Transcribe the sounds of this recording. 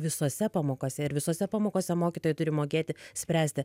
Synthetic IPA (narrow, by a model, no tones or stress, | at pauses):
ʋʲɪsoːsʲɛpɑːmoːkoːsʲɛɪɾʋʲɪsoːsʲɛpɑːmoːkoːsʲɛmoːkʲit̪oːjɛt̪ʊɾʲɪmoːkʲeːt̪ʲɪsʲpʲɾʲæːsʲt̪ʲɪ